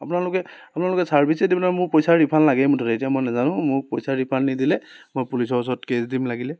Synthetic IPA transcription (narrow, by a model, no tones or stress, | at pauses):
apʊnalʊkɛapʊnaɹlʊkɛsaɹbʱisɛdibɔnamʊɹpojsaɹipʰanlaɡɛmʊtʰɔtetijamojnazanʊ̃mʊɹpojsaɹipʰanːidilɛmojpulisɔɹs̬ɔtkesdimlaɡilɛ